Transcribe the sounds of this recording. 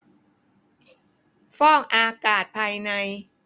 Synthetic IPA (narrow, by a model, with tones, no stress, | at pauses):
fɔː˥˩ŋʔaː˧kaː˨˩t̪̚pʰaː˧jna˧j